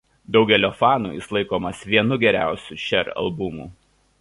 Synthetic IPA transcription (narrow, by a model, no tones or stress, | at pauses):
d̪ɒʊɡʲɛlʲoːfɑːnṵːjɪslˠɐɪkoːmɐsʋʲiɛnʊɡʲɛɾʲæˑʊsʲuːʃʲɛɾɐ̰lˠbʊmṵː